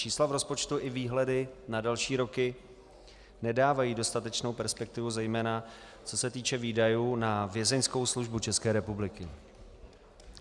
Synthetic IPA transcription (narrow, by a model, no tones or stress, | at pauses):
t͡ʃiːslavɾo̞spo̞t͡ʃt̪uʔɪviːɦlɛdɪnadɛlʃiːɾo̞kɪ | nɛdaːvajiːdo̞st̪at̪ɛt͡ʃno̞wpɛɾspɛk̚t̪ɪvuzɛjmɛːna | t͡so̞sɛt̪iːt͡ʃɛviːdajuːnavjɛzɛɲsko̞wsluʒbut͡ʃɛskɛːɾɛpublɪkɪ